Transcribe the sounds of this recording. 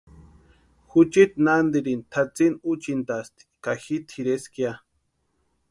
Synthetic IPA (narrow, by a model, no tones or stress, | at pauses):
xut͡ʃit̪nand̪iɾint̪ʰat͡sinut͡ʃint̪ast̪ʰi̥kaxit̪ʰiɾeskja